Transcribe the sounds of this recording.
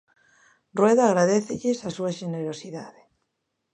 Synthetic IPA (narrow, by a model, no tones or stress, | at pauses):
rrweðaːɣɾaðeθɪʎɪsasuaʃeneɾosiða̰ðe